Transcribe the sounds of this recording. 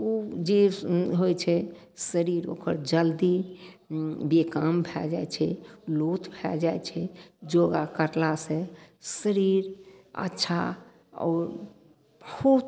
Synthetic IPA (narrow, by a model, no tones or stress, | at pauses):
od͡ʒeɦojt͡ʃʰɛ | səɾiɾo̰kəɾd͡ʒəld̪i | bekambʱɛld͡ʒa̰jt͡ʃʰɛlot̪bʱɛ̰ld͡ʒajt͡ʃʰɛd͡ʒoɡakəɾlasẽsəɾiɾə̰tːʃʰa̰ | ɔ̰ːɾ | bəhu